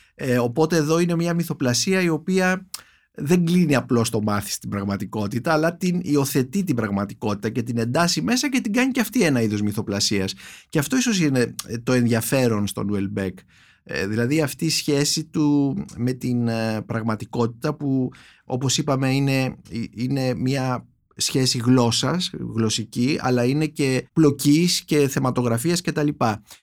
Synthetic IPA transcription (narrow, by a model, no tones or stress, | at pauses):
o̞po̞t̪e̞ːðo̞ine̞mɲɐmiθo̞plɐsiɐio̞piɐ | ðe̞ŋɡliniɐplo̞st̪o̞mɐθi̥st̪ibɾɐɣmɐt̪iko̞t̪it̪ɐːlɐt̪inio̞θe̞t̪it̪̬ibɾɐɣmɐt̪iko̞t̪i̥t̪ɐce̞t̪ine̞nd̪ɐsime̞sɐce̞t̪iɡɐɲiceɐft̪ie̞nɐiðo̞zmiθo̞plɐsiɐsceɐft̪o̞iso̞sine̞t̪o̞e̞nðʝɐfe̞ɾo̞nst̪o̞̰nuelbek | ðilɐðiɐft̪iːsçe̞sit̪ume̞t̪inpɾɐɣmɐt̪iko̞t̪i̥t̪ɐpu | o̞̰po̞sipɐme̞ine̞ine̞mɲɐ | sçe̞siɣlo̞sɐsɣlo̞siciɐ̰lɐine̞ce̞plo̞cisce̞θe̞mɐt̪o̞ɣɾɐfiɐsce̞t̪ɐlipɐ